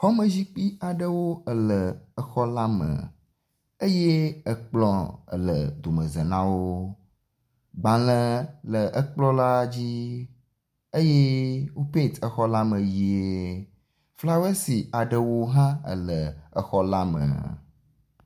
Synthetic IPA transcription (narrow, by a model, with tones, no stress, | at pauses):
xɔ˦mə̃˨zi˦k͡pi˦a˨ɖə˦wo˦ə˨lə˨ə˦xɔ˦la˦mə̰̃˨ | e˦je˦ə˨k͡plɔ˦ə̰˨lə˨d̪o˨mə̃˨zə˨nã˦wo˦ | ɡ͡bã˨lə̃˦lə˨ʔə˦k͡plɔ˦la˦d͡ʑi˦ | e˦je˦wo˦pẽ˦˨t̪ə˦xɔ˦la˦mə̃˨ji˨ee˦ | fla˦we˦si˨a˨ɖə˨wo˦ɦã˦ə̰˨lə˨ə˦xɔ˦la˦mə̰˨